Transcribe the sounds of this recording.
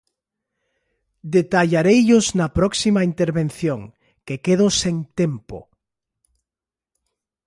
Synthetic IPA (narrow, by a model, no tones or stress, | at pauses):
d̪et̪aʎaɾejʎʊznɐpɾɔksimɐint̪eɾβen̟θjoŋ | kekeðoseŋt̪empo̰